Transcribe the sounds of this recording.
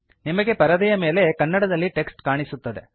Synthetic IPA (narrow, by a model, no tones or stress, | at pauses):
nimɐɡe̞pɐɾɐd̪ɐjɐme̞ːle̞kɐnːɐɽɐd̪ɐlːiʈe̞ksʈkaːɳisut̪ːɐd̪e̞̰